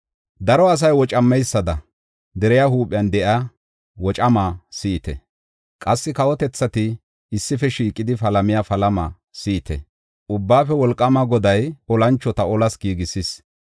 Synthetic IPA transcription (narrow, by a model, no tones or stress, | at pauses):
d̪ɐɾɔɐs̬ɐjwɔt͡ʃʼɐmːɛjsːɐd̪ɐ | d̪ɛɾɛjahuːpʼɪjɐnd̪ɛʔa | wɔt͡ʃʼɐmasiːt̪ɛ̰ | kʼɐsːɪkɐwɔt̪ɛt͡sːɐt̪ɪː | sːɪfɛʃiːkʼːɪd̪ɪfɐlɐmɪjafɐlɐmɐ̰ | siːt̪ɛ̰ | ʊbːaːfɛwɔlkʼːɐmɐɡɔd̪ɐjɔlɐnt͡ʃːɔt̪ɐɔlɐsɡiːɡɪsis